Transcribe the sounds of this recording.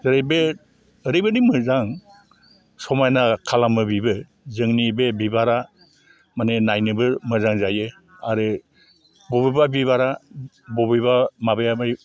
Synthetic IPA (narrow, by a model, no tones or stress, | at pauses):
zɯɾɯjbeː | ɾɯjbɯnimɯzaŋ | sɔmajnakʰalamɯbibɯ | zɯŋnibebibaɾa | manenajnɯbɯɾmɯzaŋzajɯ | aɾɯ | bɔbibabiβaɾa | bɔbiβamabɯjama